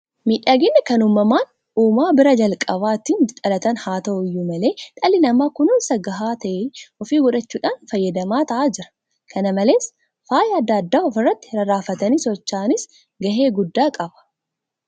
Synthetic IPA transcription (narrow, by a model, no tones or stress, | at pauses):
miːᶑaːɡɛnːɐkɐnuːmːɐmaːn | uːmaːbɪɾɐd͡ʒɐlkʼɐbaːt̪int̪ʼɐlɐt̪ɐnhaːt̪ɐʔʊɪjːʊmɐle̞ːt̪ʼɐlɪnɐmːaːkʊnʊːnsɐɡɐɦaːt̪ɐʔeʔɔfiːɡɔᶑɐt͡ʃːuːᶑaːnfɐjːɐd̪ɐmaːt̪ɐʔaːd͡ʒɪɾɐ̥ | kʰɐnɐmɐle̞ːs | faːjɐd̪ːɐːd̪ːaːɔfɪrːɐt̪ːɪ̥ɾɐɾaːfɐt̪ɐniːsɔt͡ʃːaːnɪs | ɡɐɦe̞ːɡʊd̪ːaːkʼɐbɐ̥